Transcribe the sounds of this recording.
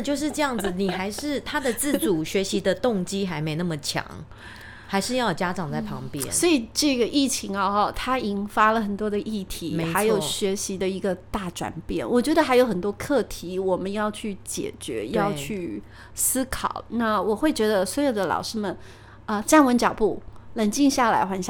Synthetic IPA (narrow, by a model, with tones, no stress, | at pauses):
t͡ɕjo˥˧ʊʂ̬ɻ̩˥˧ʈ͡ʂɤ˥˧jɑ˥˩ŋd͡z̩˨˩ni˨˩xa˧˥ɪʂɻ̩˥˧t̪ʰa˥d̪ə˨t͡sɹ̩˥˩t͡su˨˩ɕɥɛ˧˥ɕi˧˥d̪ə˨˧t̪ʊ˥˨ŋt͡ɕi˥xa˧˥ɪme˧˥ɪna˥˩mə˩t͡ɕʰjɑ̰˧˥ŋ | xa˧ɪʂɻ̩˥˧jɑ˥˩ʊt͡ɕja˥ʈ͡ʂɑ˨˩ŋt͡sa˥˩pʰɑ˧˥ŋpjɛ̰˥nsnwɔ˧˥i˨˩ʈ͡ʂɤ˥˩ɡə˩ʔi˥˩t͡ɕʰi˧˥ŋɐ˧˥˧t̪ʰa˥i˧˥ŋfa˥lə˨xə˨˩nt̪wɔ˥d̪ə˨˧ʔi˥˩t̪ʰi˧˥me˧˦xa˧˥ɪjo˨˩ʊ˧ɕɥɛ˧˥ɕi˧˥d̪ə˧i˧˥ɡə˧t̪a˥˩ʈ͡ʂwa̰˨˩npjɛ̰˥˩nwʔɔ˨˩t͡ɕɥɛ˧˥d̪ə˧xa˧˥jo˧˥ʊxə˨˩nt̪wɔ˥kʰɤ˥˩t̪ʰi˧˥wɔ˨˩mə˦njɑ˥˧ʊt͡ɕʰy˥˩t͡ɕjɛ̰˨˩t͡ɕɥɛ̰˧˥jɑ˥˧ʊt͡ɕʰy˥˩ | sɹ̩˥kʰɑ̰˨˩˦ʊna˥˩wɔ˨˩xwe˥˩ɪt͡ɕɥɛ˧˥d̪ə˧swɔ˧˥jo˨˩ʊd̪ə˦lɑ̰˨˩ʊʂɻ̩˥mə˨n | ə˧ʈ͡ʂa˥˩nwə˧˥nt͡ɕjɑ˨˩ʊpu˥˩lə˧˥nt͡ɕi˥˧ŋɕja˥˩la̰˧˥ɪxwa˧˥nɕja˥˧